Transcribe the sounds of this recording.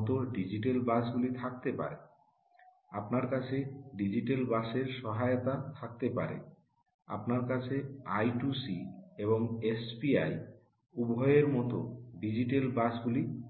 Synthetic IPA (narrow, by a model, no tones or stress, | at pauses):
t̪oɖid͡ʑiʈelbasɡulit̪ʰak̚t̪epa̰ɾe | a̰pnaɾkat͡ɕʰeɖid͡ʑiʈelbaʃeɾʃɔɦaeot̪at̪ʰak̚t̪epa̰ɾḛ | a̰pnaɾkat͡ɕʰeajʈusieβoŋesbiaj | ubʱɔeeɾmɔt̪oɖid͡ʑiʈ̬elbasɡuli